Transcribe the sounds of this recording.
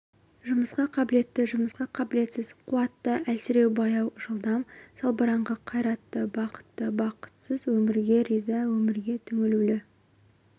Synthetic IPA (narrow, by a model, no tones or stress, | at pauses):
ʒʊməsqɑqʰɑbɪle̞t̪ːɪʒʊməsqɑqʰɑbɪle̞t̪sɪzqʰʊɑt̪ːəælsɪɾe̞wbɑjɑwʒəlˠd̪ɑmsɑlˠbəɾɑɴʁəqʰɑjɾɑt̪ːəbɑqə̥t̪ːəbɑqə̥t̪səzwɵmɪɾɡʲe̞ɾijzɑwɵmɪɾɡʲe̞t̪ʰʏŋɪlulɪ